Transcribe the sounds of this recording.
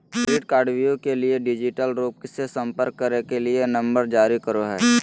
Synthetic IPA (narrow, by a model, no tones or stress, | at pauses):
ɾiːʈ̚kaːɖʋijõkelieɖɪd͡ʒɪʈəlɾoːp̚ksesə̃mpəɾkːəɾekelienɐ̃mbəɾd͡ʒaːɾikəɾoɦɛː